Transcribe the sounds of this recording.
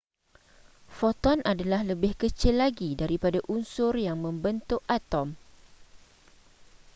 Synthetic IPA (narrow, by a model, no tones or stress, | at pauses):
fɔt̪ɔnʔadalahləbɪhkət͡ʃɪlːaɡidaɾipadaʔunsʊrjaŋmə̃mbənt̪ʊkat̪ɔm